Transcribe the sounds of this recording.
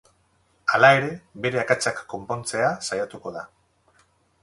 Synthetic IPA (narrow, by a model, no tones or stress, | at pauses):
alae̞ɾe̞βe̞ɾe̞akat͡ʃakːo̞mpo̞nt͡se̞asajat̪uko̞ð̞a